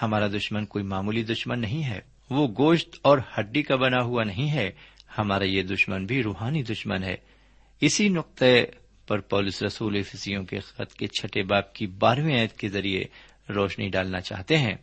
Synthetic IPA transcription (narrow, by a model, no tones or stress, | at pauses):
hɐmaːɾad̪ʊʃmənkoːimaːmuːlid̪ʊʃmənːɐɦĩɦɛ̰ː | ʋoɡoːʃt̪ɔːɾhɐɖːikabɐnaɦuanɐɦĩɦɛhɐmaːɾajed̪ʊʃmənbʱiɾuːɦaːnid̪ʊʃmənɦɛ̰ː | ɪsinʊq̚t̪e | pɐɾpɔːlʊsɾɐsuːlefɪsijõkḛxɐ̰t̪ket͡ʃʰɐʈebaːb̚kibaːɾʋĩãːjət̪kezɐɾiḛ | ɾɔːʃniɖaːlnat͡ʃa̰ːɦt̪eɦɛ̃ː